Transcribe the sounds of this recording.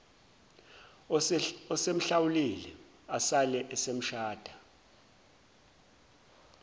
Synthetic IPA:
ɔsem̩ɬawulilɛ | asalɛʔɛsem̩ʃaːd̥ʱa

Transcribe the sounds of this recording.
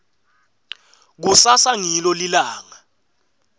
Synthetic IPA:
k̬usasaŋilɔlilaːŋa

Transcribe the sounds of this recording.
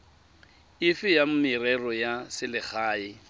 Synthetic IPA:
ɪfɪjam̩mɪrɛrɔjasɪlɪk͡xʰaːɪ

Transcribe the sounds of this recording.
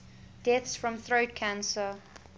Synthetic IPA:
d̥ɛθsfɹə̃mθɹoʊtkʰãnsə

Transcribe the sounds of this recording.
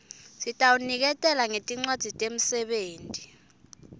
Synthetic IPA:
sitʼawunik̬ɛtʼɛlaŋetʼiŋ͡ǀad̥ʱitʼem̩sɛɓeːntʼi̥

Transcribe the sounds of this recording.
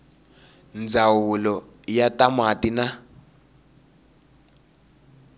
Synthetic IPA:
nd͡zawulɔ | jatamatina

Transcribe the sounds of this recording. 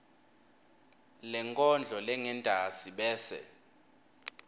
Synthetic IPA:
lɛŋkʼɔnd͡ɮʱɔlɛŋɛndʱasiɓɛːsɛ̰

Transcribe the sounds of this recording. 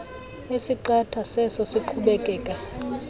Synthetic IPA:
esiǃatʰasɛsɔsiǃʰuɓɛkʼɛːkʼa

